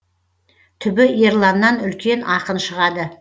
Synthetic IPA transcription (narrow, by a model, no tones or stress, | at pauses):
t̪ʰʏbɪje̞ɾlˠanːɑnʏlkʲʰe̞nɑqənʃəʁɑd̪ə